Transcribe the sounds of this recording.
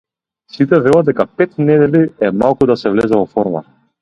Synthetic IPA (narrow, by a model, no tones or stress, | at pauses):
sit̪ɛvɛlˠad̪d̪ɛkapɛt̪nɛd̪ɛliɛmalˠkud̪asɛvlɛzɛvɔfɔɾma̰